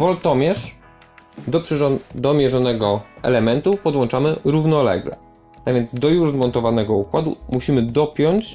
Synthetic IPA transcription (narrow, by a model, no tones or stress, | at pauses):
vɔlt̪ɔmʲjɛʂ | d̪ɔpʂd̪ɔmʲjɛʐɔnɛɡɔɛ̰lɛmɛnt̪upɔd̪wɔnt͡ʂamɘɾuvnɔlɛ̰ɡlɛ̰ | t̪avʲjɛnd̪zd̪ɔjuʐzmɔnt̪ɔvanɛɡɔukwad̪ṵmuɕimɘd̪ɔpʲjɔɲt͡ɕ